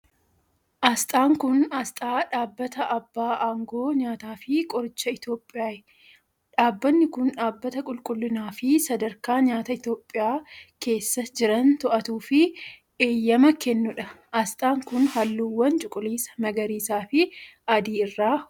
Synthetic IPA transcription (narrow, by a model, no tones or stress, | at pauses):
ʔɐst̪ʼaːŋkʊnɐst̪ʼaːᶑaːbːɐt̪ɐʔɐbːaːʔaːŋɡoːɲaːt̪aːfɪkʼɔɾɪt͡ʃːɐɪt̪jo̞ːpʼːɪjaːɛ | ᶑaːbːɐnːɪkʊnᶑaːbːɐt̪ɐkʼʊlkʼʊlːɪnaːfɪsɐd̪ɐɾkaːɲaːt̪ɐɪt̪jo̞ːpʼːɪjaːke̞ːsːɐd͡ʒɪɾɐnt̪ɔʔɐt̪uːfɪ | eːjːɐmɐkɛnːʊᶑɐʔɐst̪ʼaːŋkʊnhɐlːuːwːɐnt͡ʃʼʊkʼʊliːsɐ̥mɐɡɐɾiːsaːfɪɐd̪iːɪrːaː